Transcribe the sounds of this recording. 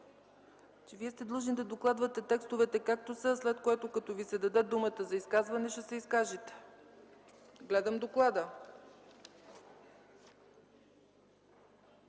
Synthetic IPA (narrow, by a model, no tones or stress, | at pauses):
t͡ʃɛviɛst̪ɛd̪lˠuʒnid̪ɐd̪oklˠad̪vɐt̪ɛt̪ɛkst̪ovɛt̪ɛkak̚t̪osəslɛt̪koɛt̪okɐt̪ɔvisɛd̪ɐd̪ɛd̪umət̪əzɐiskazvɐnɛʃɛsɛiskaʒit̪ɛ̥ | ɡlɛd̪əmd̪oklˠad̪ə